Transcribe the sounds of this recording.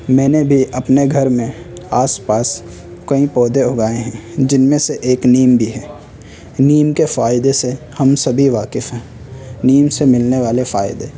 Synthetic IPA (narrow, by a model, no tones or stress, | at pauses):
mɛ̃ːnebʱiʔɐpneɡʱɐɾmẽ | aːspaːs | kɐĩpɔːd̪eʊɡaːẽɦɛ̃d͡ʒɪnmẽseʔeːkniːmbʱiɦɛː | niːmkefaːɪd̪ese | hɐmsɐbʱiʋaːkɪfɦɛ̃ː | niːmsemɪlneʋaːlefaːɪd̪eː